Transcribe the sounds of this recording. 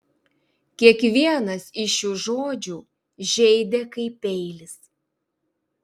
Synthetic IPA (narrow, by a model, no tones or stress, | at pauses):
kʲiɛkʋʲiɛnɐsɪʃjuːʒoːd͡ʒʲuː | ʒʲɛɪd̪ʲekɐɪpʲɛɪlʲɪs